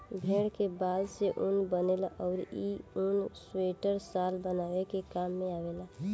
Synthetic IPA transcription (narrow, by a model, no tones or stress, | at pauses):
bʱeːɽkebaːd̪seʔʊnbənelaʔɔːɾiʊnsweːʈəɾsaːlbənaːwekekaːmːẽaːʋeːlaː